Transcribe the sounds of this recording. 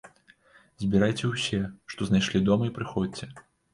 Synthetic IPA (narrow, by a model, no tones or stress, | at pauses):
zʲbʲiɾajt͡sʲɛwsʲɛʂt̪ɔznajʂlʲid̪ɔmɐipɾɨxɔt͡sʲɛ